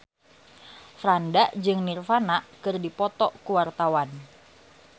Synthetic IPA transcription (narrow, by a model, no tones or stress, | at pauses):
fɾandaʔd͡ʒɨŋnirfanaʔkɨrdipɔt̪ɔkuwart̪awan